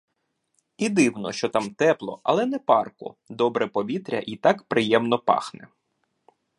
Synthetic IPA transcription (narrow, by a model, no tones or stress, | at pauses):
id̪ɪwnɔ̰ʃt͡ʃɔt̪ɑmt̪ɛplˠɔ̰ʔɐ̰lˠɛnɛpɑrkʊ̰d̪ɔbɾɛpɔʋʲit̪ɾʲɐ̰ʔit̪ɑkpɾɪjɛmnɔpɑ̰xnɛ̰